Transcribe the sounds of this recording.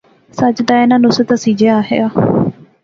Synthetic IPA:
sət͡ʃd̪aːɪnãːnʊsət̪asiːd͡ʒeaːɦḛɡaː

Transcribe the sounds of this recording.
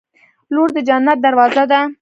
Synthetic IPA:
loɾd̪əd͡ʒanːat̪̚d̪aɾwɑzad̪a

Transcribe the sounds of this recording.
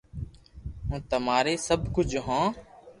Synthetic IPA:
ɦũːt̪əmaːɾeːsəbkʊd͡ʒʱɦãː

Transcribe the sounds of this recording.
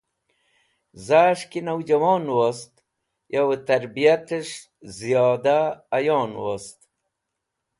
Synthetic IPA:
zaːʂkinawd͡ʑɐwoːnwost̪ | jʔawət̪ɐɾbijat̪əʂ | zijɑːd̪aːjoːnwost̪

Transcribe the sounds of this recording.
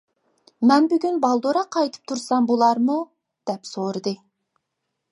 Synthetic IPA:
mɛnbyɡʲynbɑlˠd̪oɾɑqʰɑjt̪ʰɨ̥p̚t̪ʰuɾsɑmbulˠɑɾmu | d̪̥ɛpsoɾɨd̪ɨ

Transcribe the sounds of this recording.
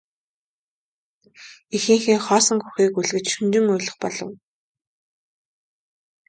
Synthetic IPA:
ixɘ̆ŋxĭːŋχɔːsɞ̆ŋxuxiːkuɮɣɘ̆t͡ɕʃunt͡ɕɪ̆ŋʊjɮɞ̆χpɔɮɞ̆w

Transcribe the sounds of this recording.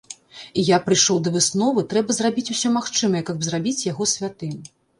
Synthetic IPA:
ijapɾɨjʂɔwd̪ɐvɨsnɔvɨt̪ɾɛbɐzrabʲit͡sʲusʲɔmaxt͡ʂɨmɐjɛkɐbzrabʲit͡sʲjaɣɔsʲvʲat̪ɨm

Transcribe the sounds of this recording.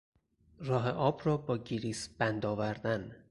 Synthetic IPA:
rɒːɦeʔɒːbɾɒːbɒːɟiɾiːsb̥ænd̪ɒːvæɾd̪æn

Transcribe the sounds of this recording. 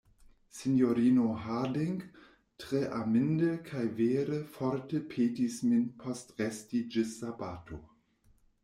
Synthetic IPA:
sinjoɾiːnoɦadɪŋɡ | tʁ̥eʔamɪndəkʰajveːɾəfɔɾtəpʰeːtisminpʰɔstʁɛstid͡ʒɪsabaːtʰo

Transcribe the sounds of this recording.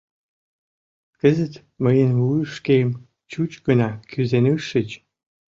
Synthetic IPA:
kəzə̆t̪ | məjənuʂkejm | t͡ɕut͡ɕkə̆nakʰyzenɨʂə̆t͡ɕ

